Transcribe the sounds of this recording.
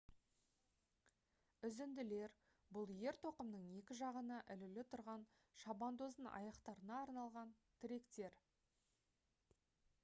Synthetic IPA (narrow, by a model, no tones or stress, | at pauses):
ʏzɪnd̪ɪle̞ɾ | bʊlˠje̞ɾt̪ʰo̞qəmnəɴe̞kʲɪʒɑʁənəʔʏlɪlɪt̪ʰʊɾʁɑn | ʃɑbɑnd̪o̞zənɑ̰jɑqt̪ɑɾənɑːɾnɑlˠʁɑnt̪ʰɪɾe̞kt̪e̞ɾ